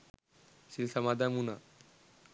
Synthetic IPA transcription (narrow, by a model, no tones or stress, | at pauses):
silsamad̪amuna